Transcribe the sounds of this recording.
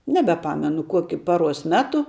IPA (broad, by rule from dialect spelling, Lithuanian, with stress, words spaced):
nʲɛbʲɛˈpɑːmʲɛnʊ ˈkoːkʲʊ ˈpɑːˌruɔs ˈmʲæːtʊ